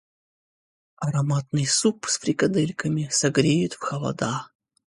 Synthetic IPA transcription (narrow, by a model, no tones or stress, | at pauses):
ɐɾɐmat̪̚nɨjsupsfɾʲɪkɐd̪ɛlʲkəmʲɪsɐɡɾʲejʊt̪fxɐlˠɐ̰d̪a